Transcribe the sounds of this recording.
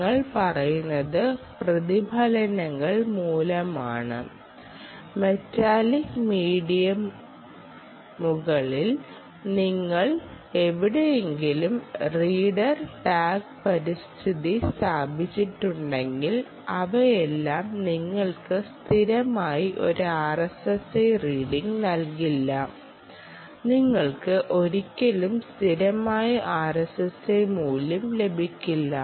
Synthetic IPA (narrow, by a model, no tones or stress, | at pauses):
ɐɭpɐrɐjunːɐðɨprɐðibʱalɐnɐŋːɐɭmuːlɐma̰ːɳɨ̰ | me̞traːlikmiːɽijɐm | uɣɐɭil | niŋːɐɭ | e̞ʋiɽejeŋɡilumriːɽɐrʈaːɡpɐɾist̪ʰiðist̪aːbʱit͡ɕːiʈːuɳɖe̞ŋɡil | ɐʋɐjelːaːmniŋːɐɭkɨst̪ʰiɾɐmaːjiʔo̞ɾuaːrɐsesejriːɽiŋɡnɐlkilːɐ | niŋːɐɭkɨʔo̞ɾikʲːɐlumst̪ʰiɾɐmaːjɐʔaːresesejmuːlɐmle̞bʱikʲːilːɐ